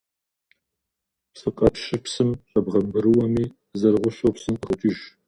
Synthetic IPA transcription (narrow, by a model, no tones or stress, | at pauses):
psɨqʼɐpʃɪpsɨmɕʼɐbʁɐbɨɾɨwɐmiː | zɐrʁʷʊɕowpsɨmʼχʊt͡ʃʼiːʒ